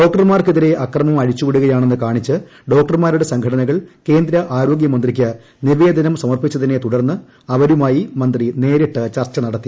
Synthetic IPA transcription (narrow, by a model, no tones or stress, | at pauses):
ɖo̞ːk̚ʈɐrmaːrkɨðiɾe̞ʔɐkrɐmɐmɐɻit͡ɕːuʋiɽuɣɐjaːɳe̞nːɨkaːɳit͡ɕːɨ | ɖo̞ːk̚ʈɐrmaːɾuɽe̞sɐŋɡʰʱɐʈɐnɐɣɐɭke̞ːnd̪ɾɐʔaːɾo̞ːɡjɐmɐnd̪rikʲːɐ | niʋeːd̪ʱɐnɐmsɐmɐrpit͡ɕːɐðinːe̞t̪uɽɐrnːɨ | ɐʋɐɾumaːjimɐnd̪rine̞ːɾiʈːɨt͡ɕɐrt͡ɕːɐnɐɽɐt̪ːi